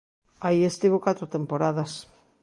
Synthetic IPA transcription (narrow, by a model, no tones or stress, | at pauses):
aiest̪iβokat̪ɾot̪empoɾaðɐs